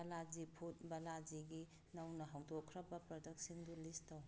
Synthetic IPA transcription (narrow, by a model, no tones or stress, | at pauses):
ɐlad͡ʒipʰut̚bɐlad͡ʒiɡi | nɐwnɐɦawdokʰɾɐbɐpɾɔdɐk̚sindulistɐw